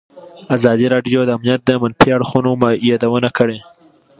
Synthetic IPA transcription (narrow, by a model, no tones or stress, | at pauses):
azɑd̪iɾɑɖjod̪əamnijat̪̚d̪əmanfiaɽxunomajɑd̪awənakəɽe